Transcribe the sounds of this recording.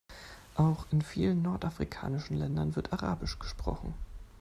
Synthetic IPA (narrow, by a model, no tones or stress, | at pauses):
ʔaʊxɪnfiːlənːɔɐtʔafʁ̥ikʰa̰ːnɪʃn̩lɛndɐnvɪɐtʔaʁa̰ːbɪʃɡ̥ə̥ʃpʁ̥ɔ̰χn̩